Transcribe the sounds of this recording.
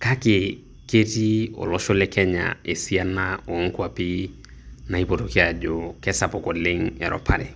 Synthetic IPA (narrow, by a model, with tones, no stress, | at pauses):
ka˦kɪ˨ | ke˦ti˦ɔ̰˨lɔ˦ʃo˦lɛ˦kɛ˦ɲa̰˨e˨si˦a˦na˦ɔ˨˦ŋ˦kwa˦pi˦ | na˨i˦po˨to˨ke˦a˨d͡ʒo˦kɛ˦sa˨pɔ˨kɔ˨lɪ˦ŋɛ˨ɾʔɔ̰˨pʰa̰˦ɾɪ̰˨